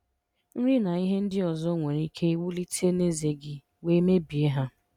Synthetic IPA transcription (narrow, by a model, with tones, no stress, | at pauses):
n̩˦ɾɪ˦na˨i˦ɦe˦n̩˦dɪ˦ɔ˨zɔ˦ŋʷe˨ɾi˦kʰe˦i˦wu˦li˦tʰe˦ne˦ze˨ɡɪ˨ | we˦me˦bi˨e˦ɦa˦